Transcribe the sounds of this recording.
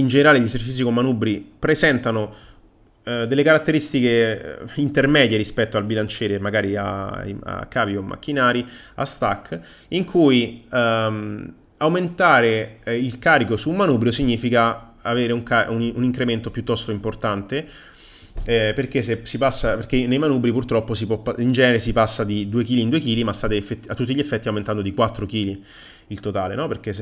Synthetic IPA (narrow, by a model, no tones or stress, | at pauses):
ind͡ʒeneɾaːleʎesert͡ʃit̪sːikomːanubɾipɾezɛnt̪ano | d̪elːekaɾat̪ːeɾist̪ikḛint̪ermɛːd̪jeɾispɛt̪ːoalbilant͡ʃɛːɾemaɡaːɾia̰a̰kːaːviomːʔa̰k̟ːinaːɾi | a̰st̪a̰kː | iŋkʰui | awment̪aːɾeilkaːɾikosuːmːanuːbɾjosiɲːiːfika | aveːɾeuŋkaununiŋkɾement̪opjut̪ːɔst̪oimport̪ant̪e | ɛperk̟esesipasːaperk̟enːejmanuːbɾipurt̪ɾɔpːosipɔpːaind͡ʒɛːneɾesipasːad̪id̪uːekiːliːnd̪uek̟iːlimast̪aːt̪eefːet̪ːiat̪ːut̪ːiʎːefːɛt̪ːiawment̪and̪od̪ikwat̪ːɾok̟iːli | ilt̪ot̪aːlḛnɔperk̟es